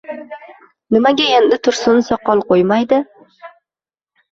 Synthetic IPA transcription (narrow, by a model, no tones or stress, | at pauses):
nɪmaɡʲae̞nd̪ɪt̪ʰʊɾsʊnsɒqːɒlˠqojmajd̪ɪ